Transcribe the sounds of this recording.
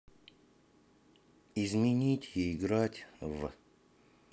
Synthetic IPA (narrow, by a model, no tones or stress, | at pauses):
ɪzmʲɪnʲitʲɪːɡɾatʲv